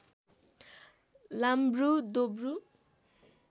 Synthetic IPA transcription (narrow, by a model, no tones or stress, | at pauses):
lambrud̪obru